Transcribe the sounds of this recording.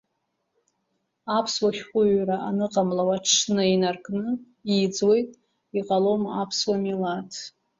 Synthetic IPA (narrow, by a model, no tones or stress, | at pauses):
apʰswaχʲqʷʼʊɥraʔanɨqʼamlawaʈ͡ʂʰnɨinarkʼnɨ | id͡zwe̞jtʼ | iqʼalomapʰswamilatʰ